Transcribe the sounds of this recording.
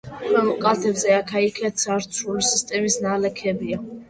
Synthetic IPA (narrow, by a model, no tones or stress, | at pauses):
kʰwɛvlˠkʼat̪ʰɛbzɛakʰaikʰɛt̪saɾt̪sʰulisist̪ʼɛmisnalɛkʰɛbia